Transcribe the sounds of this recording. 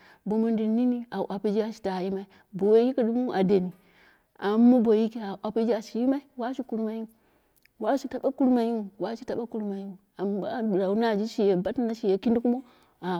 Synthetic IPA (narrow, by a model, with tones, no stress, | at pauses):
bo˨mu˨ndi˨ni˦ni˦a̰˨ʔa˨pi˦d͡ʒi˦a˨ʃi̥˨ta˨i˦ma˦i˦ | bo˨we˦ki˦ki˦du˦mu˦ʔa˨de˨ni˨ | a˨˦mːo˦bo˨ji˦ki˦a˨ʔa˨pi˦d͡ʒi˦a˨ʃi˨ji˦ma˦i˦wa˦ʃi˦ku˦ɾma˨ji˦˨ | wa˦ʃi˦ta˨ɓa˦ku˦ɾma˨ji˦u˨wa˦ʃi˦ta˨ɓa˦ku˦ɾma˨ji˦u˨a˨m˨ba˦˨ɾa˨˦na˦˨d͡ʒi˦ʃi˨je˨ba˦tna˦ʃi˨je˨ki˦ndi˦ku˦mo˦ | a˨